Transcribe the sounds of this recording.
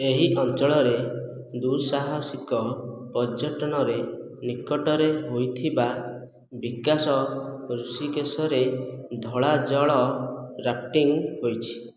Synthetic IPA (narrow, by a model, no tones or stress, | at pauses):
eɦiʔɔnt͡ʃɔɭɔɾe | d̪usaɦɔsikɔpɔd͡ʒɔʈɔnɔɾe | nikɔʈɔɾeɦojt̪ʰiba | bikasɔɾusikesɔɾed̪ʱɔɭad͡ʒɔɭɔɾap̚ʈiŋɦojt͡ʃʰi̥